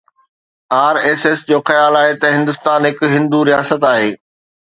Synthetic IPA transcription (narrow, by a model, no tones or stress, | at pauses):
aːɾeːsesd͡ʑoːxɐjaːlaːɦet̪ɐɦɪ̃nd̪ʊst̪aːnɦɪkɦɪ̃nd̪uɾijaːsət̪aːɦeː